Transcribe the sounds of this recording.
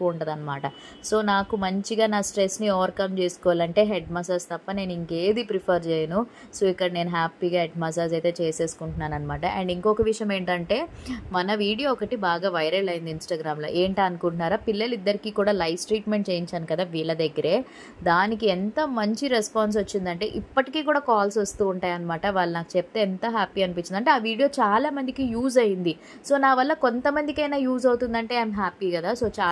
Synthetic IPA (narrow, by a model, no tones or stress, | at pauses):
kuuɳʈɐd̪ɐnːɐmaːʈɐ | so̞ːnaːkumɐɲt͡ʃiɡaːnaːsʈɾesniɔːʋɐɾkɐmt͡ʃe̞ːsu̥kɔʋaːlɐɳʈe̞ːɦeɖmɐs̬aːst̪ɐpːɐne̞ːniŋke̞ːd̪ipɾipʰɐɾt͡ʃeːjɐnu | soːikːɐɽɐne̞ːnuɦaːpːiːɡaːɦeɖmɐs̬aːsɐjt̪e̞ːt͡ʃe̞ːse̞ːsu̥kuɳʈunːaːnɐnːɐmaːʈɐʔɛ̰ɳɖiŋkɔːkɐʋiʂɐjɐme̞ːɳʈɐɳʈe̞ːmɐnɐʋiːɽijoːɔkɐʈibaːɡaːʋɐjɾɐlɐjind̪insʈaːɡɾaːmlo̰ːʔeːɳʈeɐnukuɳʈunaːɾaːpilːɐlid̪ːɐɾikiːkuːɽaːlɐjʋsʈɾiːʈme̞ɳʈt͡ʃe̞ːjiɲt͡ʃaːnukɐd̪aːʋiːɭɐd̪ɐɡːɐɾe̞ː | d̪aːnikiɛnt̪ɐmɐɲt͡ʃiɾespaːns̬ʋot͡ʃːind̪ɐɳʈe̞̰ːʔipːɐʈikiːkuːɽaːkaːlsʋɐst̪uːɳʈaːjɐnɐmaːʈɐʋaːɭːunaːku̥t͡ʃep̚t̪eːɛnt̪ɐɦaːpiːɐnipiɲt͡ʃːind̪ɐɳʈ̬e̞ːaːʋiːɽijoːt͡ʃaːlaːmɐnd̪ikijuːzɐjind̪i | so̞ːnaːʋɐlːɐko̞nt̪ɐmɐnd̪ikɐjnaːjuːzɐwut̪und̪ɐɳʈe̞ːɐajmɦaːpikɐd̪aːso̞ːt͡ʃaː